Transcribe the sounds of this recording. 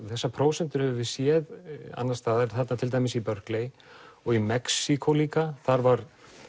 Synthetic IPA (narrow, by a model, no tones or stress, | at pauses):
θɛsːapʰɾoːwsɛnt̪ʏɾhɛvʏvɪsjɛða̰nːast̪aːðɾθɛt̪nat̪ʰɪlt̪ajmɪsipœɾklej | ɔɣimɛksikʰoliːkaθaɾvaɾ̥